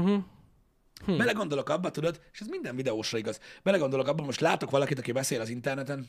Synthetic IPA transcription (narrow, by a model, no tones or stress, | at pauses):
bɛlɛɡo̞nd̪olo̞kɒbːɒt̪ud̪o̞d̪eːʃɛzmind̪ɛɱvid̪ɛoːʃrɒiɡɒzb̥ɛlɛɡo̞nd̪olokɒbːɒmo̞ʃt̪laːt̪o̞kʋɒlɒkit̪ɒkibɛseːlɒzint̪ɛrnɛt̪ɛn